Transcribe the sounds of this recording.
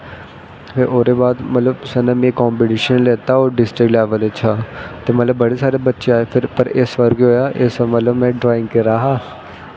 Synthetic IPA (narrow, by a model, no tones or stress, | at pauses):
pʰeɾʔoːɾeːbaːd̪mət̪ləbsɛnãːmẽːkɔːmpɪʈiʃənleːt̪aoːɖɪsʈɾɪklɛːʋəlet͡ʃʰaːt̪eːmət̪ləbːəɽeːsaːɾebətːʃeaːepʰɪɾpəɾesʋəɾɡɦoːjaːʔesmət̪ləbmɛ̃ːɖɾaːɪ̃ŋɡkɪɾaːɦaː